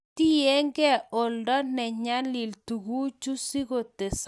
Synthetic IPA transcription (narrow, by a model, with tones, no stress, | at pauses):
ti˦je˦ŋɡɛ˦˨o˨ldɔ˦nɛ˨ɲa˦li˨ltu˨ɡu˦t͡ʃu˦si˦ɡo˨te˨s